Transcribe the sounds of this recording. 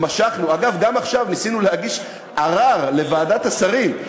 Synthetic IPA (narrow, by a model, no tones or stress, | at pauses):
maʃaχnuaɡavɡamaχʃavmisinulehaɡiʃ | ʔaʁaʁle̞vaːdatasaʁim